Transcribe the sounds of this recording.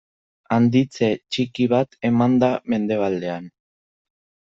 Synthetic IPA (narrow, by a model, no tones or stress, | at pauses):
and̪it͡se̞t͡ʃikiβat̪e̞mand̪ame̞nd̪e̞β̞ald̪e̞an